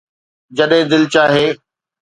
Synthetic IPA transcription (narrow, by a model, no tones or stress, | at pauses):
d͡ʑɐɗɦẽd̪ɪlt͡ɕaːɦeː